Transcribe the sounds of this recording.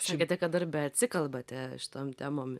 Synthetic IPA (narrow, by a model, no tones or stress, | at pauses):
sɑkʲɛt̪ʲɛkɐt̪ɐrbʲɛɐt̪ʲsʲɪkɐlˠbɐt̪ʲɛʃʲɪ̥t̪oːmt̪ʲæːmoːm